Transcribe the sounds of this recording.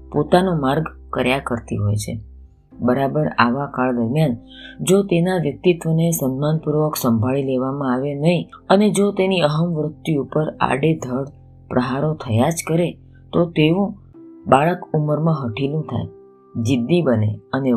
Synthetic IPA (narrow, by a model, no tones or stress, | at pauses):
pot̪anomaɾɡ | kəɾjakəɾt̪ḭɦojt͡ʃʰḛ | bəɾabəɾa̰ʋakaɭd̪əɾmjan | d͡ʒot̪enaʋjək̚t̪it̪ʋənesənːanpuɾʋəksəmbʱaɭileʋamãaʋenəɦiəned͡ʒot̪eniəɦəmʋɾək̚t̪iupəɾa̰ɽed̪ʱəɽ | pɾʔəɦaɾot̪ʰəjad͡ʒkəɾe | t̪ot̪eʋũ | baɭəkuməɾmãɦəʈʰilũt̪ʰa̰j | d͡ʒid̪ːibənḛəne